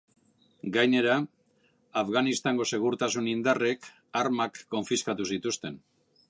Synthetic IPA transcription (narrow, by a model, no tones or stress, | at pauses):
ɡajne̞ɾaː | fɣanist̪aŋɡo̞se̞ɣ̞uɾt̪asunind̪are̞k | aɾmakːo̞ɱfiskat̪usit̪ust̪e̞n